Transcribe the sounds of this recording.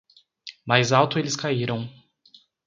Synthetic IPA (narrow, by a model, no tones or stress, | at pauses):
majzawt̪ʊelɪskaiɾɐ̃w̃